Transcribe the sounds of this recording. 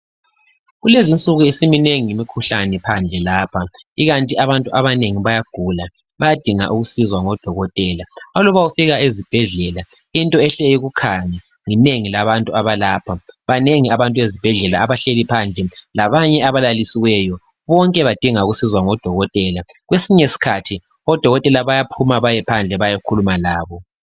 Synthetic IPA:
ɣulezint͡sʼuɣuisimineŋiŋimikʰuɬanɛpʰand͡ɮʱɛlaːpʰaiɣantʼiaβantʼuʔaβaneŋiβajaɡ̥ʱula | βajad̥ʱiŋa̰ʔuɣusizwaŋɔd̥ʱɔɣɔtʼɛlaɔlɔβawufiɣaezib̥ʱɛɮɛla | intʼɔɛɬejiɣukʰaɲa | ŋineŋilaβantʼuaβalaːpʰaβaneŋiaβantʼuezib̥ʱɛɮɛlaːβaɬelipʰand͡ɮʱɛlaβaɲɛaβalalisiwɛjɔ | βɔŋkʼɛβad̥ʱiŋauɣusizwaŋɔd̥ʱɔɣɔtʼɛlaɣwesiɲesi̥kʰatʰi | ɔd̥ʱɔɣɔtʼɛlaβajapʰumaβajɛpʰand͡ɮʱɛβajakʰulumalaːβɔ

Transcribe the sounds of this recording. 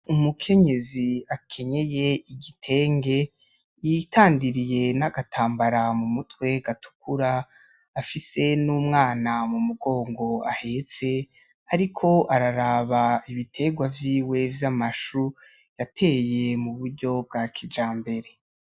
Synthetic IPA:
umukʰe̞ɲe̞ziakʰe̞ɲe̞je̞iɡitʰe̞ːŋɡe̞ | jitaːndiɾije̞naɡatʰaːmbaɾamumutwe̞ɡ̥atu̥kʰuɾaː | fise̞nuːmŋaːnamumuɡo̞ːŋɡo̞a̰he̞t͡se̞ | aɾikʰo̞ʔaɾaɾaβaiβitʰe̞ɡwavjiːwe̞vjamaʃu | jatʰe̞ːje̞muβuɾɟo̞b̚ɡaːkʰid͡ʒaːmbe̞ɾe̞

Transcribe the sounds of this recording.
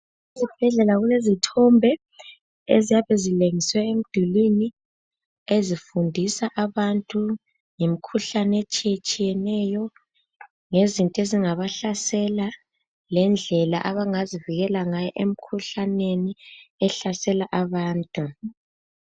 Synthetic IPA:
izib̥ʱɛɮɛlaɣulezitʰɔmbʱɛ | ezijaβɛzileŋiswɛem̩d̥ʱulini | ezifundʱisaʔaβantʼu | ŋem̩kʰuɬanet͡ʃʼijet͡ʃʼijɛnɛjɔ | ŋezintʼɔeziŋaβaɬasɛla | lɛnd͡ɮʱɛla̰ʔaβaŋaziviɣɛlaŋajɔʔem̩kʰuɬaneniɛɬasɛlaʔaβaːntʼu

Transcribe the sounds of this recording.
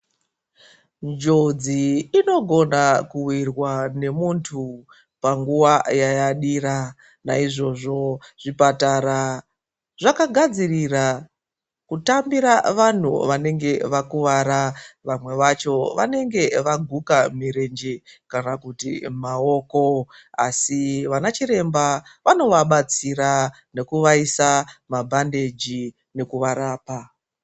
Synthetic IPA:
nd͡ʒod͡ziːno̞ɡʱo̞nakuwirwane̞muntʰu | paŋɡuwajajaɗiɾa | naiʐo̞ʐo̞ʐ̥ipataɾa | ʐakaɡʱad͡zirira | kutambiɾaʋan̤ṵʋane̞ŋɡe̞ʋakuʋaɾaʋamwe̞ʋat͡ʃo̞ʋa̰ne̞ŋɡe̞ʋaɡʱukamiɾe̞nd͡ʒekanakutḭmao̞ːko̞asiʋanat͡ʃiɾe̞mbaʋano̞ʋaɓat͡sira | ne̞kuʋaisamabʱande̞d͡ʒi | ne̞kuʋaɾaːpa

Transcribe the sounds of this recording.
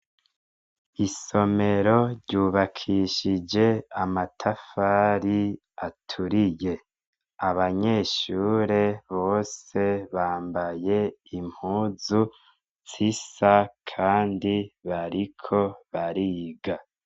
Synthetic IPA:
iso̞me̞ɾo̞ɾɟuːβakʰiʃid͡ʒe̞amatʰafaːɾi | atʰuɾije̞ | aβaɲe̞ːʃuːɾe̞βo̞ːse̞βaːmbaje̞im̥huːzu | t͡sisakʰaːndiβaɾikʰo̞βaɾiːɡa

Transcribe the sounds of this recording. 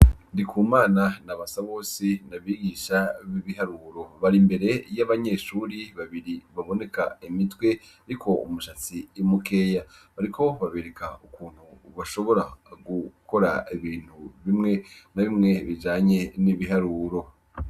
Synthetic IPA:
ndikʰuːmaːnanaβasaβo̞ːsinaβiːɡiːʃaβiβihaɾuːɾo̞βaɾimbe̞ɾe̞jaβaɲe̞ːʃuːɾiβaβiɾiβaβo̞ne̞ka̰imitwe̞ | ɾikʰo̞ṵmuʃat͡simuke̞ːjaβaɾikʰo̞βaβeːɾekʰaukuːn̥huβaʃo̞βo̞ɾaɡukʰo̞ɾa̰iβiːn̥huβimŋe̞naβimŋe̞βid͡ʒaːɲe̞niβiɦaɾuːɾo̞

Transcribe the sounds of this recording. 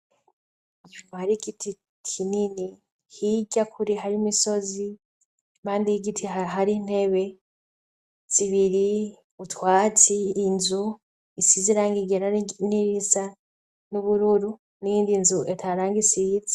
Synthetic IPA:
umahaɾiɡitʰi | kʰinini | hiɟakʰuɾiɦaɾimiso̞zi | maːndiiɡitʰiaɦaɾin̥he̞βe̞ | ziβiɾi | utwaːt͡siːnzu | isiziɾaːŋɡiɡeɾaniɾisa | nuβuɾuɾu | nijiːndinzuʔetʰaɾaːŋɡisit͡sa

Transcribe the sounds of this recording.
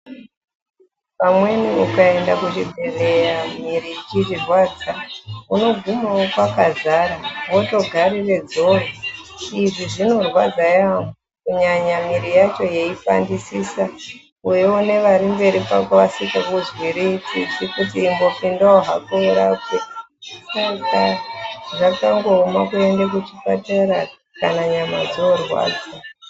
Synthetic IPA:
pamwe̞niukae̞ndakut͡ʃibʱere̞jamiɾiit͡ʃiʐirwaːd͡zauno̞ɡʱumawokwakazaːɾaʋo̞to̞ɡʱaɾire̞d͡zo̞roiʐiʐino̞rwad͡zajamukuɲaɲamiɾijat͡ʃo̞je̞ifa̰ndisiːsa | ujeune̞ʋaɾimbe̞ɾipakoʋasikakuzwiɾiit͡sḭt͡sikutiːmbo̞pindaoɦakueɾakwe | sakaʐakaŋɡo̞ːmakue̞ndak̬ut͡ʃipataɾa | kanaɲama̰d͡zoorwa̰ːd͡za

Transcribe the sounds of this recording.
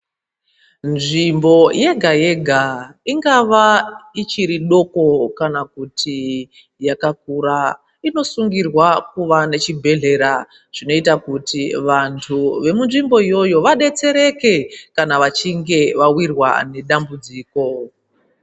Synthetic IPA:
nʐimbo̞je̞ɡʱaje̞ɡʱaiŋɡaʋait͡ʃiɾiɗo̞ko̞kanakutʰi | jakak̚uɾa | ino̞suŋɡirwak̚uʋane̞t͡ʃibʱe̞ɮe̞ɾa | ʐ̥ino̞itakutiʋantʰuʋe̞munʐimbo̞ijo̞jo̞ʋaɗe̞t͡se̞ɾe̞ke̞kanaʋat͡ʃiŋɡe̞ʋawirwa̰ne̞ɗambud͡ziːko̞

